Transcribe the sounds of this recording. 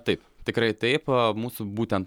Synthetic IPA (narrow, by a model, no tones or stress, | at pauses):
t̪ɐɪpt̪ʲɪkɾɐɪt̪ɐɪpmuːsʊbuːt̪ʲɛnt̪